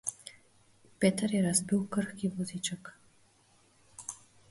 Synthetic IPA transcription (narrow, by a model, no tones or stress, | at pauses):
peːt̪ɐɾjɛɾazbiwkəɾxkivɔzit͡ʃək